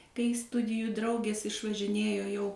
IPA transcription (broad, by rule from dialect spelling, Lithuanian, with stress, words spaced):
kɐɪ ˈstʊdʲɪjuː ˈdrɐʊɡʲeːs ɪʃʋɐʒʲɪˈnʲeːjoː jɛʊ